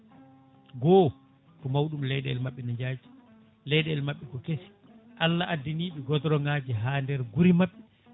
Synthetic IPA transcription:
ɡɔː | tɔmawɗumlɛjɗɛɛlmaɓːɛnaɲd͡ʒaːd͡ʒi̥ | lɛjɗɛɛlmaɓːɛkɔkesi̥ | ʔalːaʔadːiniːɓɛɡɔtɾɔŋɡaːd͡ʒiɦaːndɛɾɡuɾimaɓːɛ

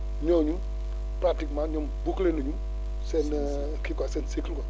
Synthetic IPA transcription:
ɲɔɲu | pɾatikmaɲɔmbuklenoɲu | sɛn | kikasɛnsiklkɔ

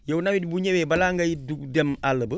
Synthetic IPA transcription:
jɛunawidibuɲewebalaːŋɡajiduɡdemaləbə

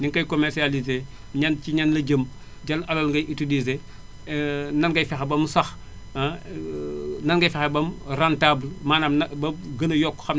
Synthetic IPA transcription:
niŋkɐjkomɛɾsialize | ɲɐnciɲɐnlɐɟəm | ɟɐlɐlɐlŋɡɐjʔitulize | nɐnɡɐjfexebɐmsɐx | nɐnɡɐjfɛxebɐmrantaːblmaːnamnɐbɐɡɐnɐjɔkːxɐm

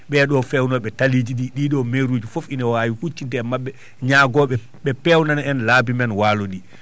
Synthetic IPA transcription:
ɓɛɗɔfɛwnɔɓɛtalid͡ʒiɗiɗiːɗɔmeɾuːd͡ʒufofinawawihut͡ʃːintɛmaɓːɛ | ɲaːɡɔɓɛ | ɓɛpɛwnanaɛnlaːbimɛnwaːloɗi

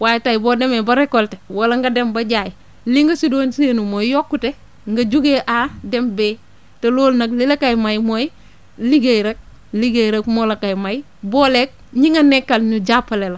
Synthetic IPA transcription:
wajtajibodemebaɾekːoltewalaŋɡadembaɟaji | liŋɡasidoːnsenumojjokːute | ŋɡad͡ʒuɡeʔadembe | teloːlnaklilakajmajmoji | liɡejɾek̚ | liɡeɾekmolakajmai | boːlek̚ɲiŋanːekːalɲud͡ʒapːalela

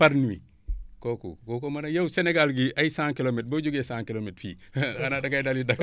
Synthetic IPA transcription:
faɾnuwḭ | kokṵkokomanajawseneɡalɡiʔajisãŋkilomet̚boɟuɡesãːŋkilometfḭhanadaɡajdalidak

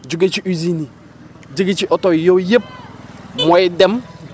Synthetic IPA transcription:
d͡ʒuɡet͡ʃiuzini | d͡ʒiɡet͡ʃiʔɔtɔjojep̚mɔidɛm

